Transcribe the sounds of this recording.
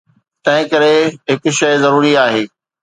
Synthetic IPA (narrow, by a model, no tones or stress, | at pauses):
t̪ɐ̃ɦɪ̃kɐɾeɦɪkʊʃɐɪzɐɾuːɾiaːɦeː